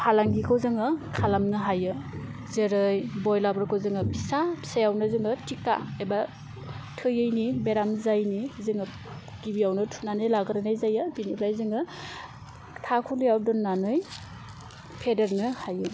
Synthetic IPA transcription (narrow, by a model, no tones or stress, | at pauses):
pʰalaŋɡikʰowzɯŋɯkʰalamnɯɦajɯ | zeɾɯjbɔjlabɾkʰɯwzɯŋɯbʰisapʰi̥sajawnɯzɯŋɯtika̰eba | tʰɯjɯjnibeɾamzajnizɯŋɯ | kibiawnɯtʰunanɯjlaɡɯɾanajzajɯbinipʰɾajzɯŋɯ | tʰakʰulijaw̚dɔnːanɯj | pʰedeɾnɯhajɯ